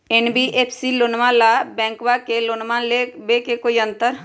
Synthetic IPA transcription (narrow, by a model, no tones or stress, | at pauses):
enbiʔeːpʰsilʊnmãlabɛ̃ːŋkwakelʊnmãlebekekoːiə̃nt̪əɾ